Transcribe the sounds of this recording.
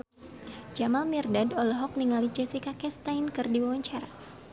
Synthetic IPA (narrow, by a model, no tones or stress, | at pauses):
d͡ʒamamirdadɔlɔɦɔk̚niŋalid͡ʒɛsikakɛst̪ajnkɨrdiwawaɲt͡ʃaɾa